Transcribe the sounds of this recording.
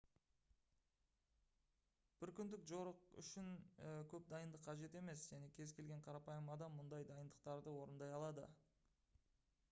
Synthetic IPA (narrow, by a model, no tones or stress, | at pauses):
b̥ɪɾkʲʰʏnd̪ɪkʒo̞ɾəqʏ̰ʃɪnkʲʰɵp̚d̪ɑjənd̪əqʰːɑʒe̞t̪e̞me̞sʒ̥æne̞kʲʰe̞zkʲʰe̞lɡʲe̞ɴqʰɑɾɑpɑjəmɑd̪ɑmːʊnd̪ɑjd̪ɑjənd̪əq̚t̪ɑɾd̪əwo̞ɾənd̪ɑjɑlˠɑd̪ə̰